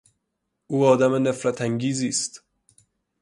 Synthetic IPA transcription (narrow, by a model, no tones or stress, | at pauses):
ʔuːɒːd̪æmene̞fɾæt̪ʰæŋɟiːziːst̪